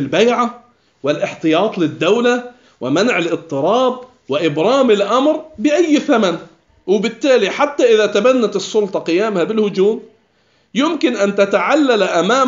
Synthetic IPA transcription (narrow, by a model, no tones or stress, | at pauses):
lbajʕa | wɪlʔɪħt̪ɨjɑːt̪ˤlɪd̪ːawla | wɪmanʕɪlʔɪt̪ˤːɨɾˤɑːb̚ | wɪʔɪbɾˤɑːmɪlʔamɾbɪʔajːθaman | wɪbɪt̪ːaːliħat̪ːaʔɪðat̪abanːat̪ɨsˤːʊlt̪ˤɑqɪjaːmhabɪlhʊd͡ʒuːm | jʊmkɪnʔant̪at̪aʕalːalʔamaː